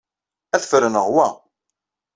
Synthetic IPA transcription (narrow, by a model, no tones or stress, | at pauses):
æθfɾənəʁwæ